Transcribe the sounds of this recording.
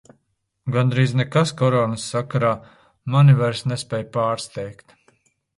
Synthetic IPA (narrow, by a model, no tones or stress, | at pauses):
ɡand̪ɾiːznɛkaskɔɾɔːnɨsːakaɾaː | manivaɾsnespʲɛːjpaːɾst̪ɛjkt̪